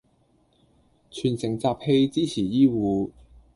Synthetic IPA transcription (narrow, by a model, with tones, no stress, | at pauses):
t͡ʃʰyː˨˩nsɪ˨˩ŋt͡saː˧p̚he˧jt͡siː˥t͡sʰiː˨˩jiː˥wuː˨˧